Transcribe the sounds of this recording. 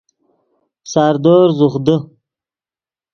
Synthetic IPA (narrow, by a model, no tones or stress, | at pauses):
saɾd̪oːɾzuχd̪ə